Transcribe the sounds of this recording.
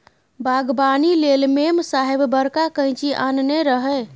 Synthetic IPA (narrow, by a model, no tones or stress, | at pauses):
bʱaɡbanilelmemsaɦebbəɾkakə̃ɪ̃t͡ʃiʔanneɾəɦɛ